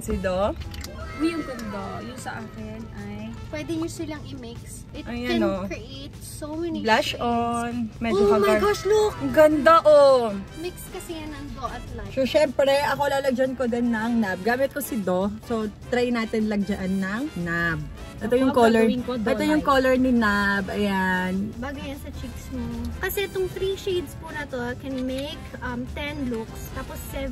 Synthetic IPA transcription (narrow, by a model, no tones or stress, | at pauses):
sid̪o | jʊŋɡɐnd̪ajʊnsɐʔaːkɛnʔajpwɛd̪ɛɲʊsɪlɐŋɪmɪks | ʔɪt̪ʔɐjanokɹiʔet̪̚somɛniblaʃʔonmɛd͡ʒokɐmɐjɡoʃlokɡɐnd̪aʔomɪkskɐsɛjɐnɐŋd̪oʔɐt̪lasoʃɛmpɾɛʔɐko̞laːlɐɡ̚d͡ʒɐnkod̪ɐnːɐŋnab̚ɡaːmɪt̪̚kosɪd̪osot̪ɾɛjnaːt̪ɪnlɐɡ̚d͡ʒɐʔanːɐŋnab̚ | ʔɛt̪ojʊŋkolɛɹŋkod̪ɛt̪ojʊŋkoːlɛɹnɪnabʔɐjanbaːɡʊjɐnsɐt͡ʃiksmokɐsɛt̪ʊŋt̪ɾiʃid̪spunɐt̪okɛnmejkʔɐmt̪ɛnlukst̪aːposːɛv